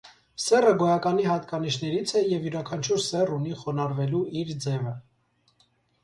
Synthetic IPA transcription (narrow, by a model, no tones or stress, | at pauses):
sɛrəɡɔjɑkɑniɦɑt̪kɑniʃnɛɾit͡sʰɛjɛvjuɾɑkʰɑnt͡ʃʰuɾsɛruniχɔnɑɾvɛluiɾd͡zɛvə